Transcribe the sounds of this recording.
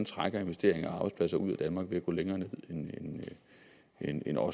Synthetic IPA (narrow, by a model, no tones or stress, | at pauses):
nt͡sʰʁaɡ̥ɐe̝nʋe̝sd̥e̝ɐ̰eŋɐ̈ːb̥ɪspʰlæsɐuð̰ˠæd̥ænmɑ̈ːɡ̥ʋe̝æɡ̥o̰ːleŋɐːne̝ð̞̰ˠenen | ene̝nɒ̽